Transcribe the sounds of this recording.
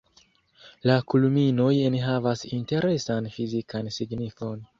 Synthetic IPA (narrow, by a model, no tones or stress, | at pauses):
lakulumino̞jenɦavasinte̞ɾe̞sanfizikʰansiɡnifo̞n